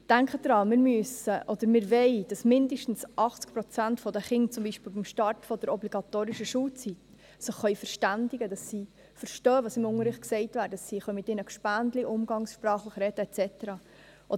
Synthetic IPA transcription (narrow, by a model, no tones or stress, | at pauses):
d̥æŋkχədɾɑːmɪːɾmysəʔod̥̪əɾmɪːɾvɛɪd̥ɑsmɪndəʃtn̩sʔɑχt͡skpɾɔt͡sæntfɔdəχɪŋt͡sʊmbiʃpɪːlbimʃtɑrtfɔd̥əɾɔbliɡ̥ɑtoːɾɪʃəʃuːlt͡sit | səχːœʏfəɾʃtændɪɡədɑsːi | fəɾʃtœːəʋɑːsɪmʊŋəɾɪχtksɛɪtvæːɾdədɑssiχœɥmɪtɪnəkʃpændliʔʊmɡɑŋsʃpɾɑːχləχɾɛtəɛt͡sɛtəɾɑː | ʔo